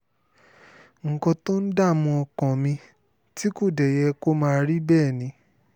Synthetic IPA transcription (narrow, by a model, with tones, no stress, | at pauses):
ŋ̩˨kɔ̃˧to˦n̩˦da˦˨mũ˧ɔ˧kɔ̃˨mĩ˧ | ti˦ko˦˨dɛ˨jɛ˧ko˦mãː˦˧ɾi˦bɛː˦˨nĩ˧˦